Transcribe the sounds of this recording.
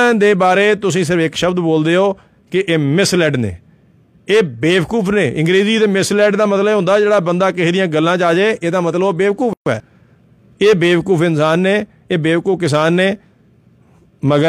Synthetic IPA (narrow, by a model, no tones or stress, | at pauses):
d̪eːbaːɾeːt̪ʊsĩːs̬ɪɾəfɪkʃəbd̪boːld̪eːoː | kɪʔeːmɪslɛːɖnḛː | eːbeːʋkuːpʰneːʔɪ̃ŋɡɾeːziːd̪eːmɪslɛːɖd̪aːmət̪ləbɦʊ̃nd̪aːd͡ʒeːɽaːbənd̪aːkɪɦiːd̪ɪjãːɡəlːãːt͡ʃaːd͡ʒeːʔeːd̪aːmət̪ləbobeːʋkuːpʰɛː | eːbeːʋkuːpʰɪnsaːnːeː | eːbeːʋkuːpkɪs̬aːnːeː | məɡə